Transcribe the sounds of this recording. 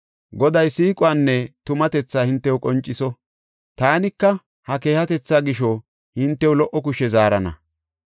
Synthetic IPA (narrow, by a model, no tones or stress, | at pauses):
ɡɔd̪ɐjsiːkʼʊaːnːɛt̪ʊmɐt̪ɛt͡sːaːhɪnt̪ːɛwkʼɔnt͡ʃʼːɪsɔ | t̪aːnɪkːɐ | hɐke̞ːhɐt̪ɛt͡sːaːɡɪʃɔ | hɪnt̪ːɛwʊlɔʔːɔk̬ʊʃɛzaːɾɐnɐ̰